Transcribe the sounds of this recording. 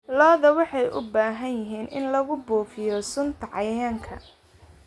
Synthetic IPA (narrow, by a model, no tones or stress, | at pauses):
lɔːðɐwɑħɑjʔʊ̰baːɦɐnjɪɦiːnɪnlɐɣʊbuːfɪjɔsʊnt̪ʰɐʕɑjaːŋkʰɐ̰